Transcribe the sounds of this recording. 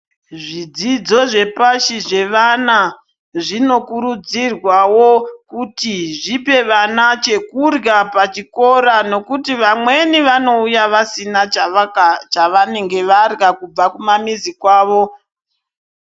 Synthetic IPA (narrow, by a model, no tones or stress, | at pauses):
ʐid͡zid͡zo̞ʐe̞paʃiʐe̞ʋana | ʐino̞kuɾud͡zirwawo̞kutiʐipe̞ʋanat͡ʃe̞kurɡapat͡ʃiko̞ɾano̞kutiʋamwe̞niʋano̞ujaʋasina | t͡ʃaʋane̞ŋɡe̞ʋarɡakub͡vakumamizikwaːʋo̞